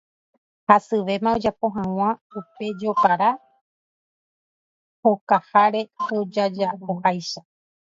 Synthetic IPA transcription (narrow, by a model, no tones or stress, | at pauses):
hasɨʋe̞mão̞d͡ʒapo̞ɦãw̃ãupe̞d͡ʒo̞paɾa | hokahaɾe̞o̞d͡ʒad͡ʒaβohajʃa